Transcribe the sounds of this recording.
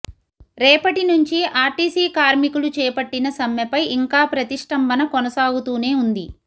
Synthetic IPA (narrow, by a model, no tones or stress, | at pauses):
ɾɛːpɐʈinuɲt͡ʃiʔaːɾʈiːsiːkaːɾmikulut͡ʃɛːpɐʈːinɐsɐmjɐpɐjiŋkaːpɾɐt̪iʂʈɐmbɐnɐkɔnɐsaːɡut̪uːne̞ːund̪i